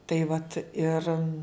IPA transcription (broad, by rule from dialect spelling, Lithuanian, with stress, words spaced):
ˈtɐɪ ʋɐt ɪr